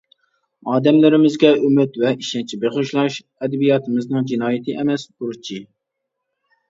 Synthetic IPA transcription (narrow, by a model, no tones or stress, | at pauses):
ɑːd̪ɛmlɪɾɪmɪzɡʲɛømɪt̪vɛʔiʃɛnt͡ʃʰibeχʊʃlˠɑʃ | ɛd̪ɛbijɑt̪ʰɨmɨznɨŋd͡ʒinɑːjɪt̪ʰɨʔɛmɛsbuɾt͡ʃʰi